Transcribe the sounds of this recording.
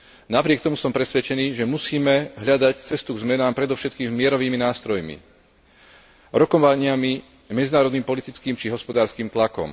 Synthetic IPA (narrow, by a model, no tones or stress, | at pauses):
napɾɪɛk̚t̪ɔmusɔmpɾɛsʋɛt͡ʃɛniːʒɛmusiːmɛɦʎad̪act͡sɛst̪uɡzmɛnaːmpɾɛd̪ɔʊʃɛt̪kiːmmɪɛɾɔʋiːminaːst̪ɾɔjmḭ | ɾɔkɔʋaɲɪami | mɛd͡zinaːɾɔd̪niːmpɔlit̪it͡skiːmt͡ʃiɦɔspɔd̪aːɾskiːmt̪lakɔ̰m